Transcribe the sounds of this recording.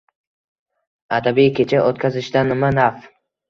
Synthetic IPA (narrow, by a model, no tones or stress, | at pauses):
ad̪abikʲʰe̞t͡ʃʰaʔot̪̚kʲʰazɪʃd̪anːɪmanaf